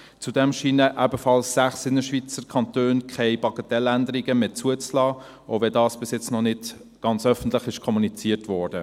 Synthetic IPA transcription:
t͡sudɛmʃiːnəʔɛbəfɑlsːæχsɪnːəʃvit͡səɾkʰɑntøːnkʰɛɪpɑɡətɛlændəɾiɡəmeːt͡suət͡slɑː | oʊvɛdɑːsb̥ɪsjɪt͡snɔnɪd̥ | ɡ̥ɑnt͡sœfən̩tlɪχɪʃkʰɔmunit͡siːərtvɔːɹd̥ə

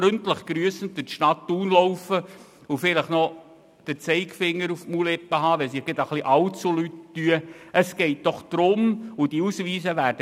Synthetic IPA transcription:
ɾɵntləχɡ̥ɾyːəsən̩tdəʃtɑtːuːnlowfə | ʊfɪləχnɔ | d̪̥əɾt͡sɛɪkfɪŋːəɾufmulɛpːəɦɑːʋɛls̬ɪɡ̥ɪd̪əχliʔɑwtt͡sulytːyəəsɡ̥ɛɪt̚d̥ɔχd̪̥ɾʊmʊd̥iusʋiːsəʋæːɾd̥ə

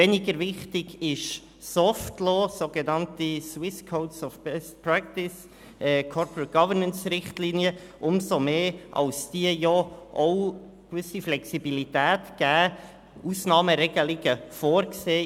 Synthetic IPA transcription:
vɛnɪɡəɾvɪχtɪɡɪʃ | sɔftloːsoɡ̥enɑntiswɪskʰoʊtsɔfpɛstpɹæktɪs | ʔɛːkʰɔɾpɹət̚ɡ̥ɑvəɾnənsrɪχtliːniə | ʔʊmsomeːʔɑ̰lsd̥iəjɔʔoʊ | kvʏsiflɛksibilitæːtɡ̥æː | ʔuːsnɑːməɾɛɡ̥əlɪɡ̥əfoːɾkseː

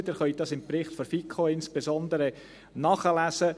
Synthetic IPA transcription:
d̪əɾχœjtd̪ɑsɪmprɪχt̪fɔɾfikʰoɪnspesɔnd̪əɾə | nɑχəlæsə

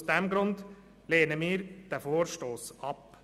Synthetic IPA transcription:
sd̪ɛmɡɾʊnd̪ | leːnəmiːɾd̪̥ɛfoːɾʃtoːsɑp

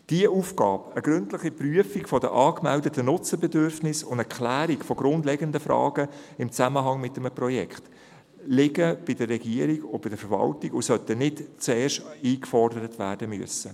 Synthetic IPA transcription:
d̥iəʔuːfkɑːbəɡ̥ɾʏntləχipryəfikfɔd̥ə̰ʔɑːkmɛldətənʊt͡səbɛdʏɾfnɪsʊndɛɾkχlæːɾikfɔɡɾʊndlɛɡəndəfɾɑ̰ːɡ̥əɪmt͡sæməɦɑŋmɪt̚ːəməprɔjɛ̰kχt | lɪɡəb̥ɪdərːɛɡiəɾiɡʊbɪdəfəɾvɑ̰ltiɡʊsœt̪ənɪtt͡sɛːʃtiːkfɔrdəɾət̪ʋæ̰ːrd̥əmyəsə

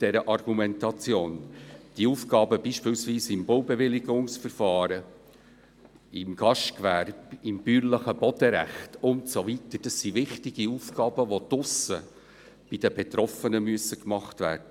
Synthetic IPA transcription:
d̥ɛɾəʔɑrɡumɛntɑt͡sjoːnd̥iəuːfɡɑːbəbiːʃpɪːlsʋiːsɪmbowbɛvɪlɪɡʊŋsfəɾfɑːɾə | ɪmɡ̥ɑʃtkvæɾb̥ɪmb̥yːɾləχəb̥ɔd̥əɾæ̰χtʊntsovitəd̥ɑssivɪχtɪɡ̥iuːfɡɑːbəʋot̪ʊsə | b̥ɪd̥əbɛtɾɔfənəmyəsːəkmɑχtvæ̰ːrd̥ə

